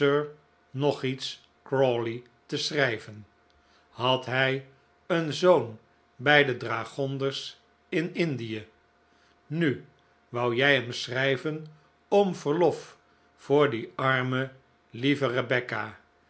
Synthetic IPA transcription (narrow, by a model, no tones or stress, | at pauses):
øɹ | nɔχits | kɹɔli | təsrɛjvən | hɑtɦɛj | ənzown | bɛjdədraːχɔndəɹs | ɪnɪndijə | ny | ʋɑwjɛjɦɛmsrɛjvən | ɔmv̥əɹlɔf | fʊːɹdiɑɹmə | livərəbɛka